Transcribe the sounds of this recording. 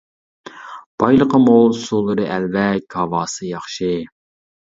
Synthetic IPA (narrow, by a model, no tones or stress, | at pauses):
b̥ɑjlˠəqəmolˠsulˠːɨɾɨʔɛlvɛkʲʰɑvɑːsɨjɑχʃɨ